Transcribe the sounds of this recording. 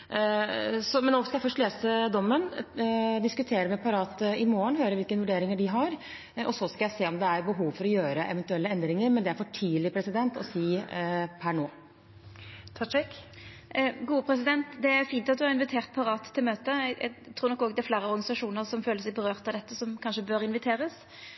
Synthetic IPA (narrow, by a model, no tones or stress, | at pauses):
sɔmɛnːɔːskɑjæɪfœʂʈleːsəd̪ɔmːən | d̪ɪskʉt̪ʰeːɾəmɛpʰɑɾɑːt̪əɪmoːəɳɦøːɾəɾʋɪlkənʋʉɖeːɾɪŋəɖɪɦɑɾ | ɔsɔskɑjæɪseːɔmd̪ɛæɾbəɦuːʋfɔɾɔjøːɾəʔɛ̰ʋɛnt̪ʉɛlːəɛnd̪ɾɪŋəɾmɛnd̪ɛæɾfɔʈʰiːlɪpʰɾɛsɪd̪ɛnt̪ɔ̰siːpʰæɳoː | t̪ʰɑt͡ʃɛk | ɡuːəpʰɾɛs̬ɪd̪ɛnt̪d̪ɛæɾfiːnt̪ɑt̪̚d̪ʉhɑɾɪnʋɪt̪ʰeːʁt̪̚pʰɑɾɑːt̪ʰːɪlmøːt̪əɛ̰t̪ʰɾuːɾnɔkːɔːɡd̪ɛæfleːɾəɔɾɡɑnɪsɑʂuːnəɾsɔmføːləsɛɪbəɾøːʁt̪ɑd̪ɛt̪ːəsɔmkʰɑnʂəbøɾɪnʋɪt̪ʰeːɾəs